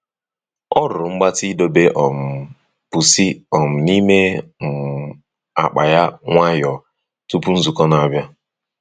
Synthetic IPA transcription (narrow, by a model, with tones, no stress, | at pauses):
ɔ˦ɾʊ˨ŋ͡m̩˦ɡ͡ba˦ti˦do˦be˦ʔɔ˨m̩˨ | pu˨si˦ɔ˨m̩˨ni˦me˦m̩˨ | a̰˨k͡pa̰˨ja˦ŋʷa˦jɔ˨ | tu˦pu˦n̩˦zu˨kɔ˦na˨a˨bja˦